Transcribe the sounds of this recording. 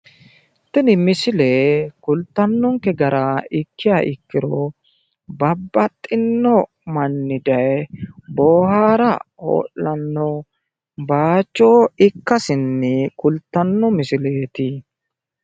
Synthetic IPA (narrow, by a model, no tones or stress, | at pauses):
t̪ɪnɪmɪsɪleːkʊlt̪ːɐnːɔŋkɛɡɐɾaɪkːɪjaːʔɪkːɪɾɔ | bɐbːɐt̪ʼːɪnːɔ | mɐnːɪd̪ɐjboːhaːɾɐo̰ːʔːɐnːɔ | baːt͡ʃːoːɪkːɐsɪnːɛkʊlt̪ːɐnːɔmɪsɪle̞ːt̪ɪ